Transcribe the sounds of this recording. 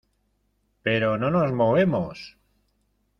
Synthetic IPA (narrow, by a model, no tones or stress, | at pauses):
pe̞ɾonono̞zmo̞βe̞mos